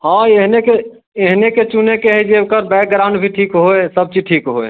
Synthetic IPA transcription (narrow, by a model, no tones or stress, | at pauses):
hãeɦneke | eɦneket͡ʃunekeɦɛd͡ʒeokəɾbɛk̚ɡɾaʊ̃ɳɖbʱiʈʰikɦoesəb̚t͡ʃiʈʰikɦoḛ